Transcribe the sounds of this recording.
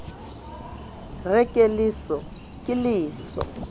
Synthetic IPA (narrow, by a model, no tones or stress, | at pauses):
rɛkʼelisɔ | kʼɪliːsɔ̰